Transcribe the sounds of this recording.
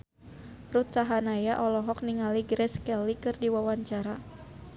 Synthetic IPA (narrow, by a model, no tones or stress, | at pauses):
rut̪saɦanajaʔɔlɔɦɔk̚niŋaliɡɾɛskɛlikɨrdiwawaɲt͡ʃaɾa